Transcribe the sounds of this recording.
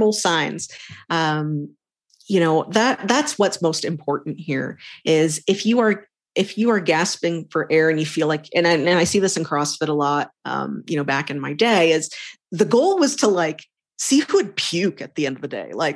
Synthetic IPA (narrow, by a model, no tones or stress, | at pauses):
l̩ˠsãɪ̃nz̥ʔʌ̃m | jɨñoʊðɨt̪̚ðætswʌtsmoʊstɨ̃mpʰɔɹʔn̩ʔhiɹɪzɨfjɨə˞ | ɨfjɨə˞ɡæspɪ̃ŋfə˞ʔɛɹɨ̃njɨfilaɪkʰɨ̃nɨ̃nɨ̃naɪsiðɪsɨ̃n̩kʰɹ̥ɔsfɨɾəlɔt̚ʌ̰̃mjɨ̰ñoʊbækɨ̃nmaɪdeɪɪz̥ðɨɡoʊlˠwʌz̥tʰəlaɪk | siɨd̚pʰj̥ʉkɨt̪̚ðiɛ̃ndʌvðədḛɪlaɪk̚